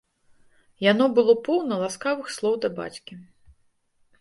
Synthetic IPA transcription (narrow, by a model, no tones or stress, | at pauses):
janɔbɨlˠɔpɔwnɐlˠaskavɨxslˠɔwd̪ɐba̰t͡sʲkʲi